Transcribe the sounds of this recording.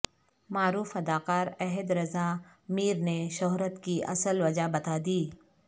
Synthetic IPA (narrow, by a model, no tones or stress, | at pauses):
maːɾuːfɐd̪aːkaːɾɛɦɪd̪ɾɐza | miːɾneʃʊɦɾət̪kiʔɐ̰səlʋɐd͡ʒabɐt̪ad̪iː